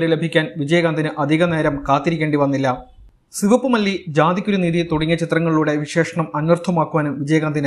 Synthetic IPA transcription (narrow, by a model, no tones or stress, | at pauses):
ɾilebʱikʲːaːnʋid͡ʑɐjɐɣaːnd̪inɨʔɐd̪ʱiɣɐne̞ːɾɐmkaːt̪ːiɾikʲːeːɳɖiʋɐnːilːɐ | siʋɐpːɨmɐlːid͡ʑaːd̪ikʲːuɾuniːðit̪oɽiŋːɐt͡ɕit̪rɐŋːɐɭːuːɽe̞ʋiʂe̞ːʂɐɳɐmɐnʋɐrt̪ʰɐmaːkːuʋaːnumʋid͡ʑɐjɐɣaːnd̪inɨ